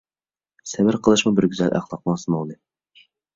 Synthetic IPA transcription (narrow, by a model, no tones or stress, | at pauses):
sɛbɪɾqʰəlˠɨʃmubɪɾɡʲyzɛlʔæ̰χlˠɑq̚mɑsɨmolˠd̪ɨ